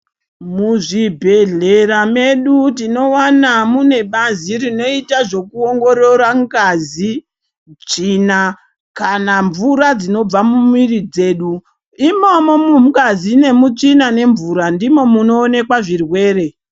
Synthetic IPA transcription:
muʐibʱe̞ɮe̞ɾame̞ɗutino̞wanamune̞ɓazirino̞itaʐo̞kuo̞ŋɡo̞ɾo̞raŋɡazi | t͡ʂiːna | kanaɱvuɾad͡zino̞b͡vamumirid͡ze̞ːɗu | imomo̞mukazine̞mut͡ʂinane̞ɱvuɾandimo̞muno̞ːne̞kwaʐirwe̞ːɾe̞

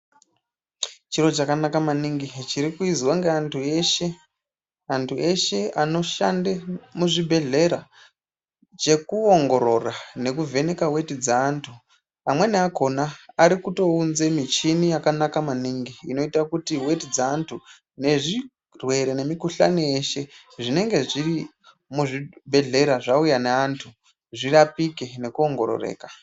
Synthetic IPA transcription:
t͡ʃiɾo̞t͡ʃakanakamaniŋɡit͡ʃiɾikuizwaŋɡeantʰueʃe | antʰuʔe̞ʃe̞ano̞ʃa̰ndemuʐibʱe̞ɮe̞ɾa | t͡ʃe̞kuoŋɡo̞ɾo̞rane̞kuve̞ne̞kawe̞tid͡zaːntʰu | amwe̞neako̞naːɾikuto̞unze̞mit͡ʃinijakanakamaniːŋɡiːno̞itakutiwe̞tid͡zaːntʰu | ne̞ʐi | rwe̞ɾene̞mikuɬa̰nieʃe̞ | ʐine̞ŋɡe̞ʐiɾi | muʐibʱe̞ɮe̞ɾaʐaujaneantʰu | ʐirapike̞ne̞kuo̞ŋɡo̞̰ɾo̰rḛːkḁ

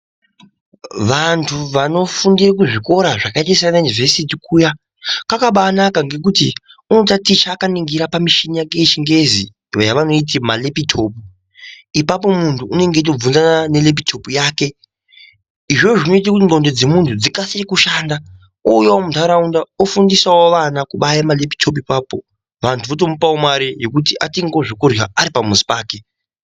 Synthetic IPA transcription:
ʋantʰuʋano̞fundirak̬uʐiko̞ɾaʐakaitaisaanajunivesitikuːja | kakaɓaːnakaŋɡe̞k̬uti | uno̞tatit͡ʃaːkaniŋɡiɾapamiʃinijaket͡ʃiŋɡe̞zḭ | ʋajaʋano̞it̬imalepitʰo̞pu | ipap̬o̞muntʰuune̞ŋɡe̞t̬ob͡vunzanane̞le̞p̬itʰo̞pujaːke̞ | iʐoʐino̞it̬ikutiŋɡondod͡ze̞muntʰud͡zikasirekuʃaːnda | ujawomuntʰaɾaundaofundisawoʋanakuɓajamale̞pi̥tʰo̞p̬uipaːpo̞ | ʋantʰuʋot̬o̞mupawomwaɾijekut̬iʔatiŋɡo̞ʐikuria̰aɾipamuzi̥paːke̞

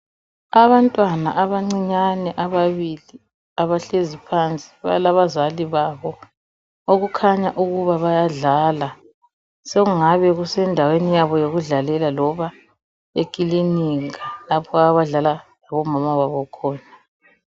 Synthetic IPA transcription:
aβantʼwana̰ʔaβaŋ͡ǀiɲanɛʔaβaβili | aβaɬezipʰant͡sʼi̥βa̰laβazaliβaβɔ | oɣukʰaɲaʔuɣuβaβajaɮala | seɣuŋaβɛɣusɛndʱawenijaβɔjoɣuɮalɛlalɔβa | ekʼiliniŋalapʰɔaβaɮalalaβɔmamawaβɔkʰɔːna

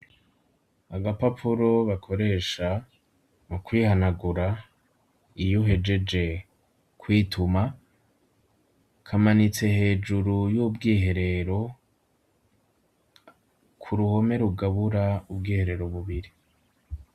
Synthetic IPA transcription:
aɡapapʰuɾo̞βakʰo̞ɾe̞ːʃa | mukwiːhanaɡuɾa | ijuɦe̞d͡ʒe̞d͡ʒe̞ | kwiːtʰuma | kʰamanit͡se̞he̞ːd͡ʒuɾujubɡiːɦe̞ɾe̞ɾo̞ | kʰuɾuho̞me̞ɾuɡaβuɾaubɡiːhe̞ɾe̞ɾoβuβiɾi

